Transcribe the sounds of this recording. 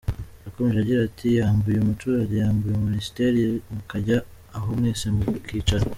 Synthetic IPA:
ɾako̞me̞ʒeaɟiɾatʰijaːmbujeumutuɾaɟe̞jaːmbujominisi̥teɾimukaɟaː | ɦomŋe̞ːse̞mukiːt͡ʃano

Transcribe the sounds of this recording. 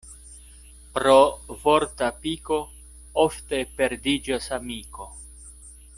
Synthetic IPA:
pɾovo̞ɾtapiko̞ | ofte̞pe̞ɾdid͡ʒasamiko̞

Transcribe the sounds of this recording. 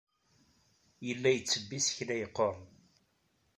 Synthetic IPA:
jəlːæjət͡sːəbːisçlæjəqːoɾˤ

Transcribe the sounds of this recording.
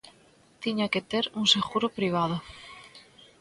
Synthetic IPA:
t̪iɲaket̪eɾunseɣuɾopɾiβ̞að̞o

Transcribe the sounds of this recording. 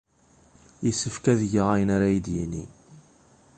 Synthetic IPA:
jəsəfkæðʝəʁajənaɾæjəd̪jinḭ

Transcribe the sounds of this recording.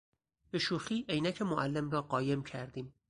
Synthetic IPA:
be̞ʃuːxiːʔejnæcʰemoʔælːe̞mrɒːɢɒːje̞mcʰæɾd̪iːm

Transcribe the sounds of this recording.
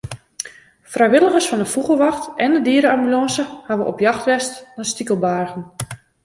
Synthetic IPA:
frajʋɪlˠəɣərsfɔndəfuɣəlˠʋɑxtɛndədiəɾəamylɑːsəhaʋəʔɔpjɑxtʋɛstnastikəlˠbaːrɣən

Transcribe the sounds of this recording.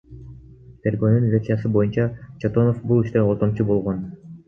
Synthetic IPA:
pʲeɾɡønynvʲet̪sɨjɑs̬ɯbo̞junt͡ɕɑt͡ʃot̪onofbulˠiʃt̪eoɾt̪omt͡ʃubo̞lˠʁon

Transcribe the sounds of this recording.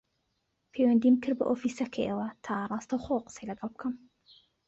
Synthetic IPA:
pʰejwɐnd̪imkʰɨɾbɨ̰ʔofiːsɐkʰɐjʔewɐt̪ʰaːrˤɑːst̪ʰɐwχowqə̥sejlɐɡɑlˠb̚ɨkʰɐm

